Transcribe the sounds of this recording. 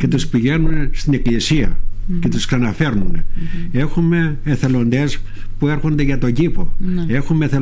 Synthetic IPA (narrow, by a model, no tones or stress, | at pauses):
ce̞t̪uspiʝe̞nunst̪ine̞klisiɐ̰ce̞t̪usksɐnɐfe̞ɾnune̞xume̞ːθe̞lo̞nd̪e̞s | pue̞ɾxo̞nd̪e̞ʝɐt̪o̞ɟipo̞̰e̞xumeθe